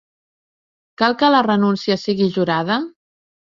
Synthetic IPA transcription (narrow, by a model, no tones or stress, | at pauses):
kalˠkələrənunsiəsiɣiʒuɾað̞ə